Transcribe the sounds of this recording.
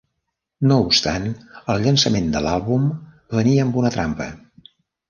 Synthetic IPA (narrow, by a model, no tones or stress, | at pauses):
noupst̪a̰nəlˠʎənsəmend̪ə̰lalˠβum | βəniəːmbunət̪ɾampə